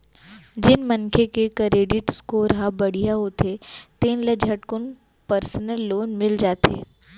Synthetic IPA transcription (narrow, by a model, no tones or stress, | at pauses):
d͡ʒɪnmənkʰekekəɾeːɖɪʈskoɾɦabɐɽ̤ijaɦot̪ʰet̪ẽːnlɐd͡ʒʱɐʈkʊn | pəɾsnəlːoːnmɪld͡ʒaːt̪ʰḛː